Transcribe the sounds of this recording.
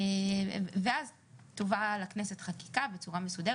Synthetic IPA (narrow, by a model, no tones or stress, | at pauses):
veaz | t̪o̞valakneset̪χaki̥kabe̞t͡suʁame̞sudeʁ